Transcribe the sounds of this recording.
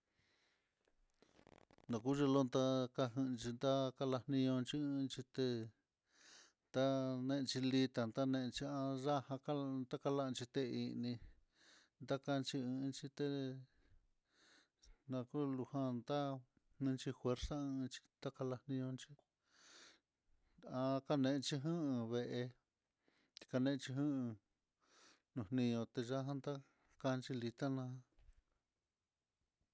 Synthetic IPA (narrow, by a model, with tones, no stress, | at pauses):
nã˨ku˦ʒe˧lo˦nd̪a˦ka˧ɦɨ̃˧t͡ʃi˧nd̪a˦ka˧la˧hnĩ˧ɲõ˧nt͡ʃi˧ɨ̃˧nt͡ʃi˧t̪e˧ | nd̪a˦nẽ˧ʔt͡ʃi˧li˧t̪a˨nd̪a˦nẽ˧ʔt͡ʃi˧ã˧ʐa˦hã˧ka˦nd̪a˦ka˧la˦ʔt͡ʃi˧t̪e˧i˧nĩ˧ | nd̪a˦ka˧t͡ʃi˧ɨ̃˧nt͡ʃi˧t̪e˧ | nã˧ku˦lu˧hã˧nd̪a˦ | nɨ̃˧˦t͡ʃi˧fwe˧ɾsa˦ɨ̃˧t͡ʃi̥˧t̪a˦ka˧la˧hnĩ˧ɲõ˧nt͡ʃi˦ | a˧ka˧nẽ˧ʔt͡ʃi˧ɦɨ̃˦˧βe˧ʔe˧ | i̥˧ka˧nẽ˧t͡ʃi˧ɦɨ̃˦˧ | nũ˨hnĩ˧ɲõ˧t̪e˧ʒa˦ɦã˦nd̪a˦ | ka˧nt͡ʃi˧li˧t̪a˦nã˧˦